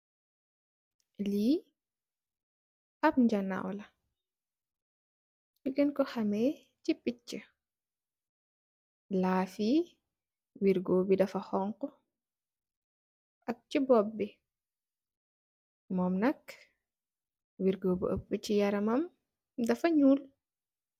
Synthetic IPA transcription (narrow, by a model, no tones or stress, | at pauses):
liː | ʔɐp̚ɲd͡ʒana̰wlɐ | duɡənkɔxɐmɛ | t͡ʃipːit͡ʃːə | laːfiː | wiɾɡoːbidɐfɐxɔŋkɔ | ʔɐk̚t͡ʃibɔbːi | mɔmnɐk | wiɾɡoːbə̰ʔəpːət͡ʃijɐɾɐmɐm | dɐfɐɲuːl